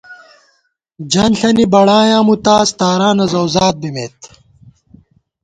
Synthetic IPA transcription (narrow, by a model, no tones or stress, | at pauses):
d͡ʑɐnɬɐnibɐɽaːjãːmut̪aːst̪aːɾaːnɐzɐwzaːt̪̚bimeːt̪